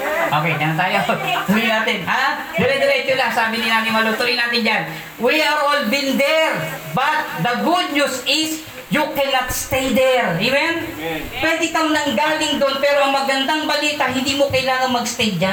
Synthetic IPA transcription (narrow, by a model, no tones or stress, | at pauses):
ʔoːkɛjnɐɐt̪aːjouijnaːt̪ɪnha | d̪ɛɾɛd̪ɛɾɛt̪jolasaːbɪnɪnaːmɪmɐlot̪ʊɾɪnaːt̪ɪnd͡ʒan | wiaɹolvind̪ɛɾbɐt̪̚d̪ɐɡud̪̚ɲusɪs | jukɛnat̪st̪ɛd̪ɛɹɛmɛnpwɛd̪ɪkɐŋnɐŋɡaːlɪŋd̪onpɛːɾoɐŋmɐɡɐnd̪aŋbɐliːt̪ɐɦɪ̃nd̪iːmokɐjlaːŋɐŋmɐɡst̪ɛjd͡ʒa